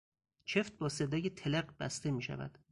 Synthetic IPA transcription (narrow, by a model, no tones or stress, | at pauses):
t͡ʃʰe̞ft̪̚bɒːse̞d̪ɒːjet̪ʰeleɢbæst̪emiːʃæ̰væ̰d̪̥